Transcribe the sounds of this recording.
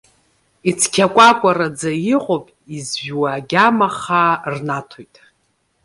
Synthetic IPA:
it͡sʰkʲʰakʷʼakʷʼarad͡zajɪqʼopʼizʒwaɡʲamaχaːrnatʰojtʼ

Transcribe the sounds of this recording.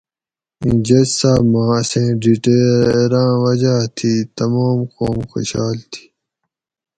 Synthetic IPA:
ĩd͡ʑɐd͡ʑsaːbmãːsẽːɖiʈeɾãːwʌd͡ʑaːt̪ʰiːt̪ɐmoːmqoːmxo̰ɕaːlt̪ʰi̥ː

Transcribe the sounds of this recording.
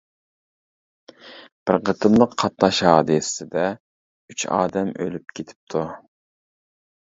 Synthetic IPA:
b̥ɪɾqət̪ʰɨmlˠəqʰːɑt̪nɑʃhɑːd̪ɨssɪd̪ɛ | yt͡ʃɑ̰ːd̪ɛmʔølyp̚kʲʰet̪ʰɪ̥p̚t̪ʰu

